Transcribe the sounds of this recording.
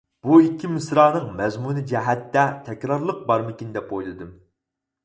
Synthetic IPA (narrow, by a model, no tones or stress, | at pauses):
b̥uikʲːimɪsɾɑːnɨŋmɛzmunɨd͡ʒɛɦɛt̪ːɛt̪ʰɛkʲɾɑɾlˠəq̚bɑɾmɪkʲind̪ɛp̚ojlˠɨd̪ɨm